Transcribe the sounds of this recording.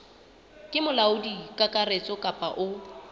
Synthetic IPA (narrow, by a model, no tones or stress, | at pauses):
kʼɪmʊlaʊdikʼakʼaret͡sʼɔkʼapʼaʔʊ